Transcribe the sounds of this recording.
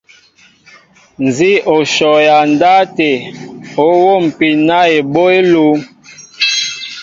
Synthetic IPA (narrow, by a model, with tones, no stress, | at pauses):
n˨zi˦o˨ʃɔ˨ja˨n˨da˦te˨o˨˦wo˦˨m̩˨pi˨na˦e˨ɓo˦e˦lu˦